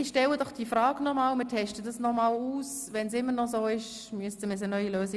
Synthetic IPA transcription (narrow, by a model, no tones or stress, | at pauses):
ɪʃtɛlədɔχd̥iːfɾɑːɡnɔmaːlmɪtʰɛʃtədɑsnɔmaːluːs | ʋɛnsɪmːəɾnɔzoːɪʃ | myəstəmɪs̬ənœʏiløːsɪ